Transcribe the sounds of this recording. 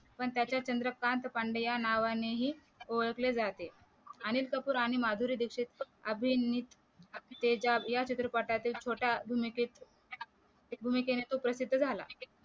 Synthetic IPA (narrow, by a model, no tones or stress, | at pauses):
pəɳt̪jat͡ɕjat͡ɕənd̪ɾəkant̪paɳɖəjanaʋaneɦiː | oʋɭəkled͡zat̪e | anilkəpuːɾaɽ̃imad̪ʱuɾiːd̪ikʂiːt̪ | əbʱinit̪ː | ed͡ʑajat͡ɕit̪ɾəpaʈat̪ilt͡ɕʰoʈabʱumikit̪ | bʱumikenet̪opɾəsid̪ʱːəd͡zʱala̰